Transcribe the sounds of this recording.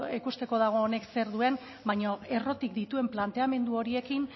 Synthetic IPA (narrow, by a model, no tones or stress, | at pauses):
ikust̪e̞ko̞ðaɣ̞o̞ːne̞kse̞ɾðue̞n | bajɲoe̞ro̞t̪ik̚d̪it̪ue̞mplant̪e̞ame̞nd̪uo̞ɾie̞kin